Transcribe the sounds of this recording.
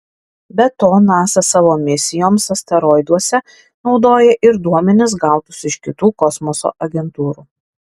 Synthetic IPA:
bʲɛt̪oːnɑːsɐsɑːʋoːmʲɪsʲɪjoːmsɐsʲt̪ʲɛɾɔɪd̪uɔsʲɛ | nɒʊd̪oːjɛʔɪɾd̪uɔmʲɛnʲɪs̬ɡɑˑʊt̪ʊsɪʃkʲɪt̪uːkɔsmɔso̰ːʔɐɡʲɛnt̪uːɾuː

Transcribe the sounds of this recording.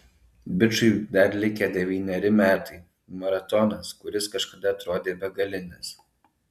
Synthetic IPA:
bʲɪt͡ʃʊɪd̪ɐɾlʲɪkʲɛd̪ʲɛʋʲiːnʲɛɾʲɪmʲæːt̪ɐɪ | mɐɾɐt̪ɔnɐskʊɾʲɪskɐʃkɐd̪ɐɐt̪ɾoːd̪ʲeːbʲɛɡɐlʲɪnʲɛs

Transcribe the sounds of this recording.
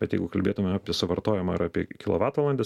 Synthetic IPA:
bʲɛt̪jɛɪɡʊkɐlʲbʲeːt̪ʊmʲɛaːpʲiɛsʊʋɐɾt̪oːjɛmɐɪɾaːpʲiɛkʲɪlˠoːʋɑːt̪ʋlˠɐnʲd̪ʲeːs

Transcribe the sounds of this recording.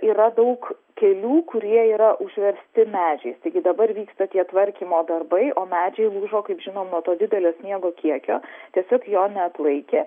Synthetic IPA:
iːɾɐd̪ɐʊk | kʲɛlʲuːkʊɾʲiɛiːɾɐʔʊʒʲʋʲɛɾʲsʲt̪ʲɪmʲæːd͡ʒʲɛɪst̪ɐɪɡʲɪd̪ɐbɐɾʋʲiːkst̪ɐt̪ʲiɛt̪ʋɐɾʲkʲiːmoːd̪ɐrbɐɪʔoːmʲæːd͡ʒʲɛɪlˠuːʒoːkɐɪpʒʲɪnoːmnuɔt̪oːd̪ʲɪd̪ʲɛlʲoːsʲnʲiɛɡoːkʲiɛkʲo̰ːt̪ʲiɛsʲoːkjoːnʲɛɐt̪lˠɐɪkʲe

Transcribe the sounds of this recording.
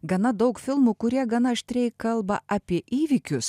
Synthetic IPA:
ɡɐnɐd̪ɐʊkfʲɪlˠmuːkʊɾʲiɛɡɐnɐʃʲt̪ʲɾʲɛɪkɐlˠbɐʔɐpʲiɛʔiːʋʲikʲʊs

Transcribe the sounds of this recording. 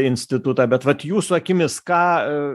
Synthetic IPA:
ɪnʲsʲt̪ʲɪt̪ʊt̪ɑbʲɛt̪ʋɐt̪juːsʊɐkʲɪmʲɪskɑː

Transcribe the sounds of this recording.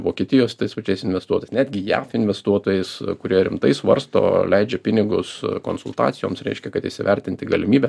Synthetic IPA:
ʋoːkʲiɛt̪ʲɪjoːst̪ɐɪspɐt͡ʃʲɛɪsɪnʲʋʲɛst̪uɔt̪oɔjɪsnʲæːd̪ʲɡʲɪjæ̰ːfɪnʲʋʲɛst̪uɔt̪oːjɛɪskʊɾʲiɛɾʲɪmt̪ɐɪsʋɐ̰ɾst̪o̰ːlʲɛɪd͡ʒʲɛpʲɪnʲɪɡʊsko̰nsʊlˠt̪ɑ̰ːt͡ssʲɪjo̰ːmsɾʲɛ̰ɪʃʲkʲɛkɐt̪ɪʃʲsʲɪʋʲɛɾʲt̪ʲɪnʲt̪ʲɪɡɐlʲɪmʲiːbʲɛ

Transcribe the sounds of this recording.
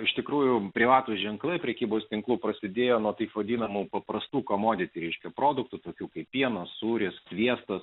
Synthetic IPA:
ɪʃt̪ʲɪkɾuːjʊpʲɾʲɪʋɑːt̪ʊʒʲɛŋklˠɐɪpʲɾʲɛkʲiːboːst̪ʲɪŋklˠuːpɾɐsʲɪd̪ʲeːjoːnuɔt̪ɐɪpʋɐd̪ʲiːnɐmupɐpɾɐst̪uːkoːmoːd̪ʲɪt̪ʲɪɾʲɛɪʃʲkʲɛpɾoːd̪ʊk̚t̪ut̪oːkʲuːkɐɪpʲːiɛnɐssuːɾʲɪssʲʋʲiɛst̪ɐs

